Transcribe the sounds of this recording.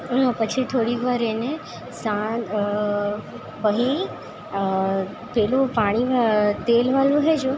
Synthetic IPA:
pət͡ʃʰit̪ʰoːɽikʋaːɾeːnẽ | sã | pəɦi | pelupaːɽ̃iʋat̪eːlʋalũɦɛd͡ʒũ

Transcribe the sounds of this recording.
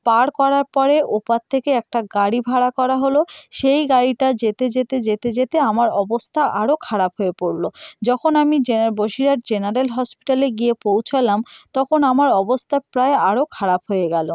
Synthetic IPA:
paɽkɔɾaɾpɔɾeʔopatt̪ʰːekeɛk̚ʈaɡaɽibʱaɽakɔɾaɦoloʃejɡaɽiʈad͡ʑet̪ed͡ʑet̪ed͡ʑet̪ed͡ʑet̪eamaɾɔbost̪ʰaʔaɾokʰaɾapɦoepoɾlod͡ʑɔkʰonamid͡ʑenaɾboʃiɾaɾ̚d͡ʑenaɾelɦɔspi̥ʈaleɡiepowt͡ɕʰalamt̪ɔkʰonamaɾɔbost̪ʰapɾaeaɾokʰaɾapɦoeɡɛlo

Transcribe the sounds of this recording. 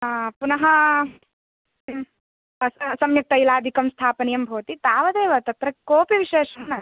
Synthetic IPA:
punɐɦɐ | sɐmjɐk̚t̪ɐjlaːd̪ʱikɐmst̪ʰaːpɐnijɐmbʱoːt̪it̪aːʋɐd̪eːʋɐt̪ɐt̪ɾɐkoːpiʋiʃeːʂɐnɐ

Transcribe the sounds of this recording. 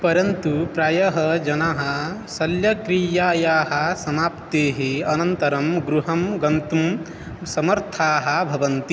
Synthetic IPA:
pɐɾɐnt̪upɾaːjɐɦɐd͡ʒɐnaɦɐ̆sɐljɐkɾijaːjaːɦɐ̆sɐmaːpt̪eːɦiɐnɐnt̪ɐɾɐmɡɾuɦɐmɡɐnt̪um | sɐmɐɾt̪ʰaːɦɐ̆bʱɐʋɐnt̪i

